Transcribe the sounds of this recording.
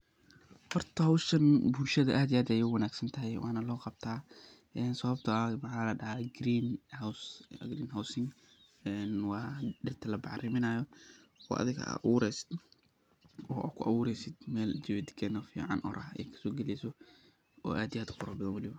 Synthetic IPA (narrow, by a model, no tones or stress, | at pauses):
hɔrt̪ʰɐhɐwʃɐnbuːlʃɐðɐʔaːd̪iaːd̪ɐjuːwɐnaːɡsɐnt̪ʰɐɦɛjwʔɑːnɐlɔːqɑb̚t̪ʰaː | ɛnsɐβɐb̚t̪ʰɐːmɐħaːlɐɖɐɦaɡɾiːnhawsɡɾiːnɦawsɪŋ | ɛnwɑːɖɪrt̪ʰɐlɐbɑʕrɪmɪnaːjɔɔ̰ːʔɐ̰ðɪɣa̰wuːɾɛːsɪ̥d̪ | ɔːʔkʰʊʔɐwuːɾɛːjsɪd̪mɛːld͡ʒɪβɛd̪kʰɛːnɐfḭːʕɑ̰nʔɔ̰ɾʔɐɛ̰jkʰɐ̥sɔːɡɛlɛːsɔ | ɔ̰ːʔaːd̪iaːd̪qʊɾɐːbɐðɐnwɐlɪβɐ